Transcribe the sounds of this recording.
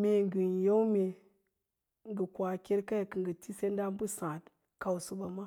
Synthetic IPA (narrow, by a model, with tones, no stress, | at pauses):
mʲe˨ŋɡɨ˨nje˦wme˨ | ŋɡɨ˨kʷa˨kʲe˦ɾka˦ja˨kɨ˨ŋɡə˨ti˦se˦nda˦mbu˦sã˨t | ka˨wsu˨ba˨ma˦